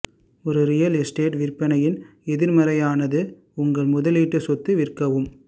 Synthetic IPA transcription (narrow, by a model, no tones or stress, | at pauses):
ɔɾɯɾɪjɐlɪsʈeːʈʋɪrpːɐnɐjɪn | ɛðɪɾmɐɾɐjaːnɐðɯ | ʊŋɡɐɭmʊðɐliːʈːɯsɔt̪ːɯʋɪrkɐʋɯm